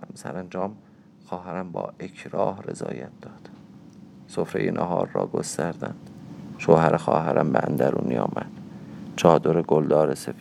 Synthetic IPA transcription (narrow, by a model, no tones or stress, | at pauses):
msæɾænd͡ʒɒːm | xɒːɦæɾæmbɒ̰ːʔekʰɾɒːhre̞̰zɒ̰ːjæt̪̚d̪̥ɒːd̪̥ | sofɾejenʔæɦɒːɾːɒ̰ːɡost̪æɾd̪ænd̪̥ʃoːhæɾʔexɒːɦæɾʔæmbeænd̪æɾuːniɒ̰ːmʔæd̪̥t͡ʃʰɒːd̪oɾeɡold̪ɒːɾesef